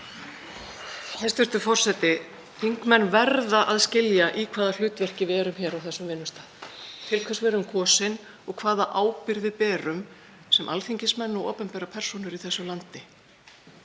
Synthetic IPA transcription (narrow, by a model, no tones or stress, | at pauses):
ɛst̪vʏɾ̥st̪ʏfɔr̥sɛt̪ɪ | θiŋkmɛnːvɛɾðaʔaðscɪljaʔikʰvaːðal̥ʏːt̪vɛr̥cɪvɛːɾʏmçɛːɾawθɛsːʏmvɪnːʏst̪aːðt̪ʰɪlkʰvɛsvɛɾʏmkʰɔːsɪn | ɔɣkʰvaːðaʔaːwpɪɾðɪpɛːɾʏm | sɛmʔa̰lθiɲcɪsmɛnːɔɣɔːpɛmpɛːɾapʰɛr̥sunʏɾiθɛsːʏlant̪ɪ